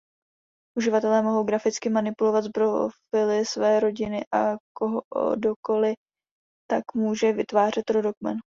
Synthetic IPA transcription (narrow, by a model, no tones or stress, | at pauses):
ʔuʒɪvat̪ɛlɛːmo̞ɦo̞wɡɾafɪt͡skɪmanɪpulo̞vat̪zbɾofɪlɪsvɛːɾo̞ɟɪnɪʔakoɦdoko̞lɪ | t̪akmuːʒɛvɪt̪vaːr̝ɛt̪ɾo̞dokmɛ̰n